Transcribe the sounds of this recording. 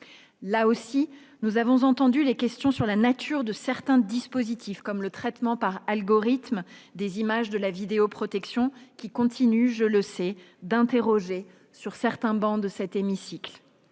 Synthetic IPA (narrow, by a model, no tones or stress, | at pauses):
laosi | nuzavɔ̃zɑ̃t̪ɑ̃d̪ylekʲɛst̪jɔ̃syʁlanat̪ʰyʁd̪əsɛʁt̪ɛ̃d̪ispozit̪ʰifkɔmlət̪χɛt̪mɑ̃paʁalɡɔʁit̪md̪ezimaʒd̪əlavid̪eopχɔt̪ɛksjɔ̃kʲikɔ̃t̪ʰinyʒələsɛ | d̪ɛ̃t̪eʁɔʒe | syʁsɛʁt̪ɛ̃bɑ̃d̪əsɛt̪emisikl